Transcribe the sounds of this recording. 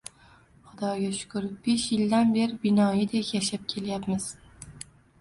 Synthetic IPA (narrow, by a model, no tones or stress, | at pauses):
χʊd̪ɒɡʲaʃʊ̥kʰʊɾb̥e̞ʃjɪld̪anbe̞ɾɪbɪnɒjɪd̪ekʲjaʃap̚kʲʰe̞ljapmɪz̥